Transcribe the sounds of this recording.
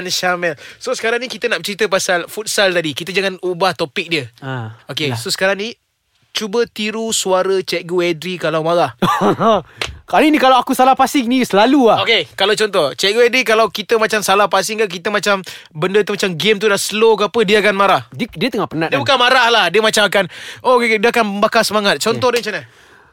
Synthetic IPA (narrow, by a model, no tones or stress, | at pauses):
nʃamɛlsosə̥kaɾaŋnikit̪ənaʔət͡ʃəɾit̪əpasalfut̪̚salt̪adikit̪əd͡ʒaŋanubaht̪opɪk̚diəaokesosə̥kaɾaŋni | t͡ʃubət̪iɾusuaɾət͡ʃɛʔɡoɛdɾikalawmaɾah | kalənikalawakusalahpasɪŋnisəlaluaokekalawt͡ʃɔnt̪ɔht͡ʃɛʔɡuɛdɾikalawkit̪əmat͡ʃamsalahpasɪŋkak̬it̪əmat͡ʃambəndət̪umat͡ʃamɡɪmt̪udasəlokapədiəakanmaɾahddiət̪əŋaʔpənadiəbukanmaɾahlahdiəmat͡ʃamakanʔokediəakanəmbakasəmaŋat̪̚t͡ʃɔnt̪ɔhdiəmat͡ʃana